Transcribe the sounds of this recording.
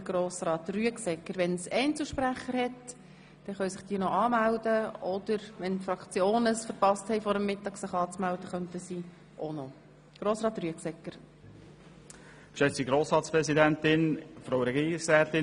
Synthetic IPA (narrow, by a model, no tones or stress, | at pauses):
ɡ̥ɾoːsrɑːt̪ryəksɛkːəɾʋɛnsɛɪnt͡sl̩ʃpɾæχəɾhɛt | d̥ɛχœɥsɪχd̥iːənɔʔɑːmæld̥əɔd̥̪əɾʋɛnfrɑkt͡sjoːnəsfəɾpɑsthɛɪfɔɾəmːɪtɑːɡsɪχɑːt͡smæld̥̪əχœntəsiː | ʔonɔ | ɡ̥ɾoːsɾɑːt̪ryəksɛkːəɾ | ʃɛt͡siɡɾoːsɾɑːtt͡sspɾɛzidæntɪnfɾoʊɾɛɡiːɪksɛːtɪ